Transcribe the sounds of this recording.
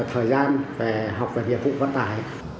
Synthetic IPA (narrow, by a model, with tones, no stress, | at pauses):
k̚t̪ʰəː˨˩jzaː˧nve˨˩ɦa˨˩wk͡p̚veː˨˩nḭ˧˨ən̚vṵ˧˨və̰˧nt̪aː˨˩j